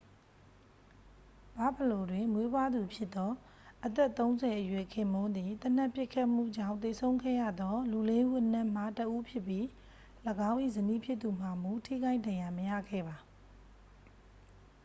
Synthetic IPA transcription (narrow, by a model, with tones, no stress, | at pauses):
b̥a˦˨bə˨lo˨dwɪ̃˨mwe˦bwa˦d̪u˨pʰjɪ˦t̪ːɔ˦ | ʔət̪ɛ˦ʔt̪ːõ˦ʊ̃nzɛ˨ʔəjwɛ˨kʰɪ̃˨mõ˦nd̪i˨t̪ən̥a˦˨pjɪ˦ʔkʰːa˦ʔm̥ṵ˦˨d͡ʑã̰˦˨ʊ̃t̪e˨sʰõ˦ʊ̃kʰɛ̰˦jä̰˦˨d̪ɔ˦lu˨le˦ʔu˦ʔən̥ã˦˨m̥a˦˨təʔu˦pʰjɪ˦pji˦ | ləɡã˦ʊ̃ʔḭ˦˨zənḭ˦˨pʰjɪ˦t̪ːu˨m̥a˨mu˦tʰḭ˦˨ka˦ɪdã˨jã˨məja̰˦˨ɡɛ̰˦˨ba˨